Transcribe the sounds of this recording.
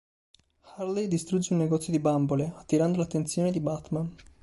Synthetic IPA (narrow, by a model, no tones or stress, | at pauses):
xarlejd̪ist̪ɾud͡ʒːeunːeɡɔt̪sjod̪ibamboleat̪ːiɾand̪olat̪ːent̪sjoːned̪ibat̪man